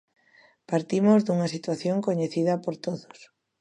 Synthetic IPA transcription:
paɾt̪imozðuŋɐsit̪waθjoŋkoɲeθiðɐpoɾt̪oðos

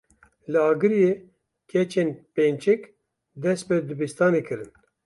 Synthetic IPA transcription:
lɨɑːɡɨɾije | kʰʲɛt͡ʃʰenpeːnt͡ʃʰɛk | d̪ɛs̚pɛd̪ɨbist̪aːneːkʰɨɾɨn

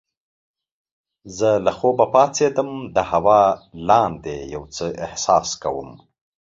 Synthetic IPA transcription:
zəlaxobapɑːt͡sed̪əmd̪əhawɑːlɑːnd̪ejawt͡səʔɪhsɑːskawə̰m

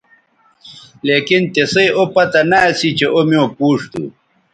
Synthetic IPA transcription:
leːkint̪esɐjopɐt̪ɐnaɐsit͡ɕeʔomiõpuːʂt̪ṵ

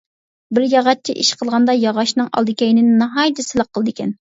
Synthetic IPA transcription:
bɪɾjɑʁɑt̪̚t͡ʃʰiʔiʃqʰəlˠʁɑnd̪ɑjɑʁɑʃnɨŋʔɑ̰lˠd̪ɨkʲɛjnɪnɪnɑɦɑjd̪ɨsɪlˠəqʰːəlˠɨd̪ɨkʲʰɛn

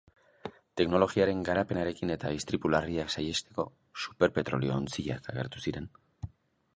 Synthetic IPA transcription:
t̪e̞kno̞lo̞ɣiaɾe̞ŋɡaɾape̞naɾe̞kine̞t̪aist̪ɾipulariaksaje̞st̪e̞ko̞̰ | su̥pe̞ɾpe̞t̪ɾo̞̰lio̞ːnt͡siʎa̰kʰaɣ̞e̞̰ɾt̪u̥siɾe̞n

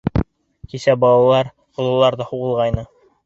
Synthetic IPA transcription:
kisæbɑlˠɑlˠɑɾ | qŏlˠɤ̆lˠɑɾðɑhuʁɤ̆lˠʁɑjnɤ

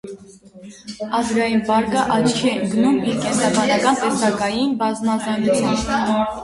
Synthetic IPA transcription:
ɑzɡɑjinbɑɾkəʔɑt͡ʃʰkʰɛəŋɡnumiɾkɛnt̪ɾɑbɑnɑkɑnt̪ɛst̪ɑkɑjinbɑzmɑzɑŋɡut͡sʰɑmb

